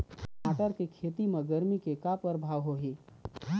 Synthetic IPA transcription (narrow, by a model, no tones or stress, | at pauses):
aːʈəɾkekʰeːt̪imẽɡɐɾmikekapəɾbʱaːʋɦoɦiː